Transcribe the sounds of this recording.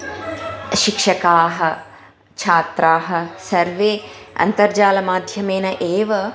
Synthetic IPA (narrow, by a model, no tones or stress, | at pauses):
ʃikʂɐkaːɦɐ̆ | t͡ʃʰaːt̪ɾaːɦɐ̆sɐɾʋeːɐ̰nt̪ɐɾd͡ʒaːlɐmaːd̪ʱjɐmeːnɐʔeːʋɐ